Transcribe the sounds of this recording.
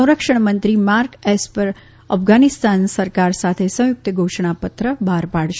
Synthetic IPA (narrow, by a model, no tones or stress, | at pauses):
w̃ɾəkʂəɳ̃mənt̪ɾimaɾkɛspəɾ | ə̰fɡanist̪ansəɾkaɾsat̪ʰesə̃w̃jʊk̚t̪əɡʱoʃɳ̃apət̪ɾəbʱaɾpaɽʃ